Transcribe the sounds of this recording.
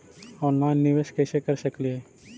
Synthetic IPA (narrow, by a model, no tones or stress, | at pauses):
ɔːnlaɪnːiʋeːʃkesekəɾsəklie